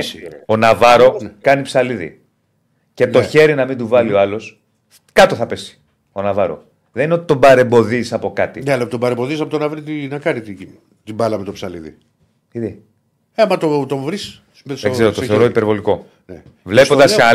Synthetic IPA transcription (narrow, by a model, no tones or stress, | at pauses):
onɐvɐɾo̞kɐnipsɐliðḭ | ce̞t̪o̞çe̞ɾinɐmind̪uvɐlio̞ɐlo̞s | kɐt̪o̞θɐpe̞si̥ | o̞nɐvɐɾo̞̰ | ðnineot̪t̪o̞bɐɾe̞mbo̞ðisɐpo̞kɐt̪ineɐlɐpot̪obɐɾembo̞ðisɐpot̪onɐvɾit̪inɐkɐnit̪i | t̪ibɐlɐmet̪opsɐliðḭ | iði | emɐt̪ot̪ovɾis | mesðeseɾot̪oθeɾoipeɾvo̞liko̞ | ne | vle̞po̞nd̪ɐsa